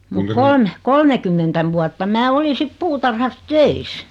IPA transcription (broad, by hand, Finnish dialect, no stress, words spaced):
mut kolme kolmekymːentæ ʋuɑtːɑ mæː oli sit puːtɑrhɑs tøis